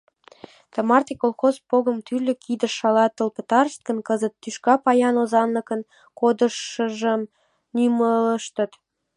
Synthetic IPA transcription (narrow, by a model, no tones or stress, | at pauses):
t̪ə̆mɑrt̪ikolˠxozpoɣə̆mt̪yrlʲø̆kʰid̪əʃɑlɑt̪ːəlpət̪ɑrəst̪̚kə̆nkəzət̪ːyʃkɑpɑjɑnozɑnləkən | kod̪ə̆ʃːəʒəm | nymələʃt̪ə̆t̪